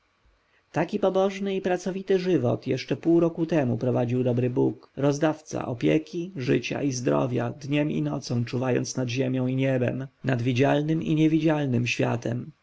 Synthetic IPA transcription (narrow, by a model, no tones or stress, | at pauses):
t̪akʲipɔbɔʐnɘipɾat̪sɔvʲit̪ɘʐɘvɔ̰t̪jɛʂt͡ʂɛpuwɾɔkut̪ɛmupɾɔvad͡ʑiwd̪ɔbɾɘbukɾɔzd̪aft̪sa̰ʔɔpʲjɛkʲiʐɘt͡ɕa̰izd̪ɾɔ̰vʲjad̪ɲɛmḭnɔt̪sɔ̃w̃t͡ʂuvajɔ̰nt̪snad̪ʑemʲjɔ̃w̃iɲɛbɛ̰mnad̪vʲid͡ʑalnɘmḭɲɛvʲid͡ʑalnɘmɕfʲja̰t̪ʰɛm